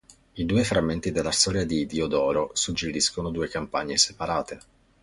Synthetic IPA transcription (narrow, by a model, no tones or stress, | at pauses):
id̪uːefɾamːent̪id̪elːast̪ɔːɾjad̪id̪iod̪ɔːɾosud͡ʒːeɾiskonod̪uːekampaɲːesepaɾaːt̪e